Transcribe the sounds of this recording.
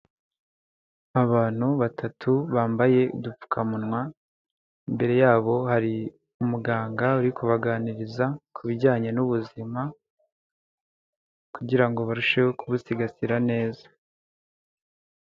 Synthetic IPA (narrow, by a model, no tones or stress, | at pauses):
aβaːn̥huβatʰatʰuβaːmbaje̞ṵdup͡fu̥kʰamunŋwa | imbe̞ɾe̞jaːβo̞haɾi | umuɡaːŋɡauɾikuβaɡaːniɾizakʰuβiɟaːɲe̞nuβuzima | kuɟiɾaŋɡo̞βaɾuʃe̞wokuβusiɡasiɾane̞ːza